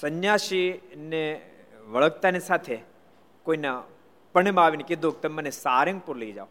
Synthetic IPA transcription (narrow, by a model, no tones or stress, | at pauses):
sənjaːʃineʋəɭək̚t̪anisat̪ʰe | koina | pəɳ̃emaːʋinekɪd̪ʱok̚t̪ɐmmənesaːɾẽŋɡ̚puɾleid͡ʒa̰o